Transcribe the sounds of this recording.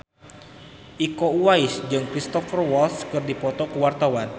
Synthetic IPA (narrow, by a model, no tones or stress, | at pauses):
ʔikouaɪsd͡ʒɨŋkɾist̪ɔfərwɔlskɨrdipɔt̪ɔkəwart̪awan